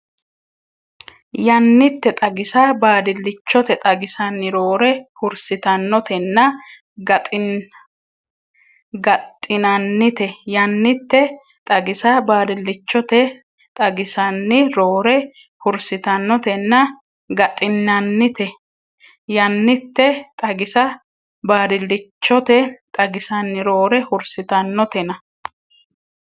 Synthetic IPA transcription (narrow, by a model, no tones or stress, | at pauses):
jɐnːɪt̪ːɛt̪ʼɐɡɪsabaːd̪ɪlːɪt͡ʃːɔt̪ɛt̪ʼɐɡɪsɐnːɪɾo̞ːɾɛhʊɾsɪt̪ɐnːɔt̪ɛnːɐ | ɡɐt̪ʼ | ɡɐt̪ʼːɪnɐnːɪt̪ɛjɐnːɪt̪ːɛ | t̪ʼɐɡɪsabaːd̪ɪlːɪt͡ʃːɔt̪ɛ | t̪ʼɐɡɪsɐnːɪɾoːɾɛ | hʊɾsɪt̪ɐnːɔt̪ɛnːɐ | ɡɐt̪ʼːɪnːɐnːɪt̪ɛ | jɐnːɪt̪ːɛt̪ʼɐɡɪsɐ | baːd̪ɪlːɪt͡ʃːɔt̪ɛt̪ʼɐɡɪsɐnːɪɾoːɾɛhʊɾsɪt̪ɐnːɔt̪ɛnɐ